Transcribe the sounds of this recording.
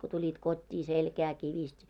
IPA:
ko tulʲit kotʲːiː selkæː kiʋistʲ

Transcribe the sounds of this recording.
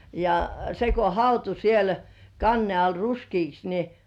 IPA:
jɑ se ko hɑutu siel kɑnːe ɑl ruskiːks ni

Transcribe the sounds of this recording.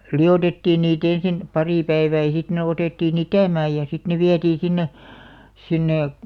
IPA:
liotetːiːn niːt ensin pɑriˑ pæiʋæː jɑ sit ne oteˑtːiːn itæˑmæːj jɑ sit ne ʋiætiː sinːe sinːe

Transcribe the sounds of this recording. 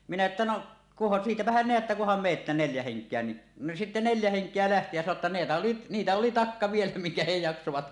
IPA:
minæ etːæ noʔ kuhɑn siːtæpæhæn neætːæ kuhɑm meːtːæ neljæ heŋkˑeæ ni no sitːe neljæ heŋkˑeæ læhti jæ sɑno tːɑ neːtæ oli nitæ oli tɑkːɑ ʋielæ miŋkæ he jɑksoʋɑt

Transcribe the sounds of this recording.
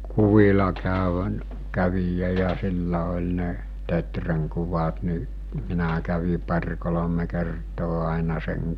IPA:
kuʋilɑ kæøʋæ kæʋijæ jɑ silːæ olʲ ne tetreŋ kuʋɑt ni minæ kæʋi pɑrʲ kolome kertoː ɑˑinɑ seŋ

